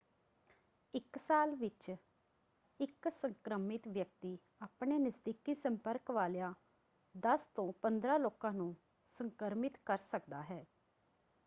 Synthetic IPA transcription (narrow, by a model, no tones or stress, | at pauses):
ɪksaːlʋɪt͡ʃ | ɪksəŋkɾəmɪt̪ʋjək̚t̪iː | aːpɳeːnɪzd̪ikiːsəmpəɾkʋaːlejãː | d̪əst̪õːpənd̪ɾaːloːkãːnũː | səŋkəɾmɪt̪kəɾsəkd̪aːɦɛː